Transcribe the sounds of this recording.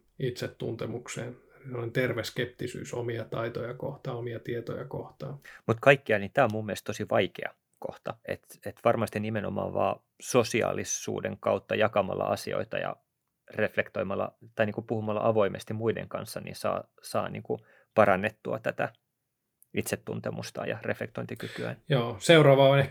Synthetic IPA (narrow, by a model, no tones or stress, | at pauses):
it̪set̪tunt̪emukseːnesemːonent̪erʋeskept̪isy̰ːsomiɑt̪ɑit̪ojɑkoht̪ɑːomiɑt̪iet̪ojɑkoht̪ɑːmut̪kɑikːiɑlnit̪æːomumːielest̪t̪osiʋɑikḛɑ | ko̰ht̪ɑḛt̪et̪ʋɑrmɑst̪inimenomɑ̰ːʋɑ̰ː | sosiɑ̰ːlisṵːdeŋkɑut̪ːɑjɑkɑmɑ̰lːɑ̰ʔɑsḭo̰it̪ɑjɑ̰ | reflekt̪oimɑlːɑ̰t̪ɑiniːŋkupuhumɑlːɑʔɑʋoimest̪imuidḛŋkɑnsːɑnḭnsɑ̰ː | sɑːnḭːŋku | pɑrɑnːet̪ːuɑt̪æt̪æ | it̪set̪ːunt̪emust̪ɑ̰ːjɑ̰reflekt̪oint̪ikykyæ̰njoːseuɾɑːʋɑːone